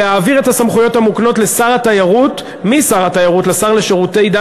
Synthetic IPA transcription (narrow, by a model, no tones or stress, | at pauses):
eaːviʁe̞thasamχujo̞thamukno̞tlesaʁatajaʁut | misaʁatajaʁutlesaʁle̞ʃeʁute̞jd̪a